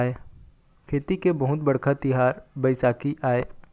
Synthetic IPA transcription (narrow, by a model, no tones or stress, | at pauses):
eː | kʰeːt̪ikebɐɦʊt̪bɐɽkat̪ɪɦaːɾbɐɪsaːkiʔaːeː